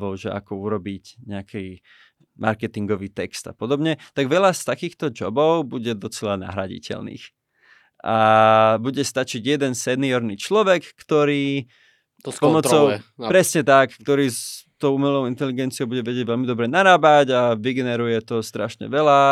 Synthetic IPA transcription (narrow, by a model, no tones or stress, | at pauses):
ʋɔʊʒɛa̰kɔuɾɔbiɟɲɛakʰi | mʔa̰ɾkɛt̪iŋɡɔʋiːt̪ɛkst̪a̰pɔd̪ɔbɲɛt̪aɡʋɛlast̪akiːxt̪ɔd͡ʒɔbɔʊbuɟɛd̪ɔt͡sɛlana̰ɦɾaɟḭcɛ̰lnḭːx | ʔabuɟɛst̪at͡ʃiɟjɛd̪ɛnsɛniɔɾniːt͡ʃlɔʋɛkːt̪ɔɾiː | pɔmɔt̪t͡sɔʊpɾɛsɲɛt̪akːt̪ɔɾiːst̪ɔʊumɛlɔʊint̪ɛliɡɛnt͡siɪɔʊbuɟɛʋɛɟɛɟʋɛʎmid̪ɔbɾɛnaɾaːbaɟaʋiɡɛnɛɾujɛt̪ɔst̪ɾaʃɲɛ̰ʋɛla